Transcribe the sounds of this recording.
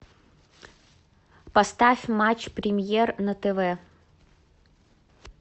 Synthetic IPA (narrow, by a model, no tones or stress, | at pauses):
pɐst̪afʲmat͡ɕpɾʲɪmʲjernɐt̪ɛvɛ